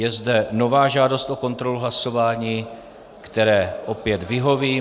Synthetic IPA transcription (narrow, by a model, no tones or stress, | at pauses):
jɛzdɛno̞vaːʒaːdo̞st̪ʔo̞ko̞nt̪ɾo̞luɦlaso̞vaːɲiː | kt̪ɛɾɛːʔopjɛt̪vɪɦo̞viː